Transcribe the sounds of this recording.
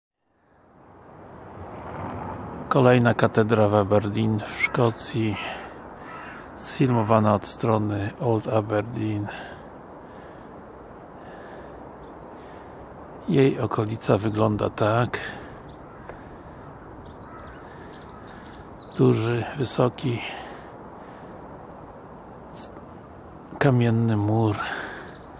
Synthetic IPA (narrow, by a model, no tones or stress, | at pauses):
kɔlɛjnakat̪ɛd̪ɾavabɛɾd̪ʲinfʂkɔt̪sʲji | sfʲilmɔvanaɔt̪st̪ɾɔnɘɔlt̪abɛɾd̪ʲin | jejɔkʰɔlʲit̪savɘɡlɔnd̪a̰t̪ak | d̪uʐɘvɘsɔkʲi | kamʲɛnːɘmuɾ